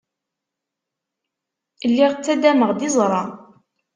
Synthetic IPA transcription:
lːiʁt͡sːæd̪æməʁd̪ɪzˤɾˤɑ

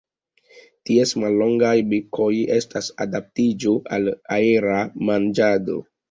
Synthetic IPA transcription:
tiesmalːo̞ŋɡajbikʰo̞je̞stasa̰dap̚tid͡ʒoʔalaeɾamand͡ʒado̞̰

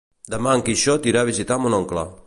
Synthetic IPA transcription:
d̪əmaəŋkiʃɔt̪iɾaβizit̪amunɔŋkla

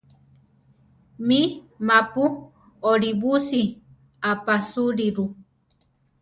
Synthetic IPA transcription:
mi | mãpu | oɾibusi | apasuɾiɾu

